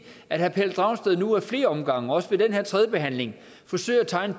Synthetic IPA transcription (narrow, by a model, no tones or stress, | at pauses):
æd̥hæpʰel̰d̥ʁɑ̈ʊ̰nsd̥eðˠnuæɐfle̝ːɐɒ̽mɡ̥ɑ̈ŋ̰əɒ̽səʋe̝d̥enɦeɐ̰t͡sʰʁɛðˠjəb̥e̝ɦæn̰le̝ŋ | fɒ̽sø̰ɪ̰æt͡sʰɑ̈ɪnə